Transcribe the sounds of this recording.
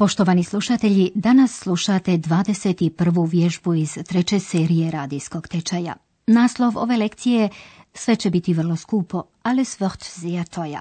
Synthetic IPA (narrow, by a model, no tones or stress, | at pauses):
po̞ʃt̪oʋaːnislˠuʃat̪e̞ʎid̪anasːlˠuʃat̪e̞d̪ʋaːd̪e̞set̪ipr̩ʋuʋje̞ʒbuiz̥t̪ɾet͡ɕe̞seːɾije̞ɾaːd̪isko̞ɡ̥t̪et͡ʃaja̰ | naːslˠo̞ʋo̞̰ʋe̞le̞kt̪sije̞sʋet͡ɕe̞bit̪iʋr̩lˠoskuːpo̞ | alisʋəχt̪ziat̪ʰoja̰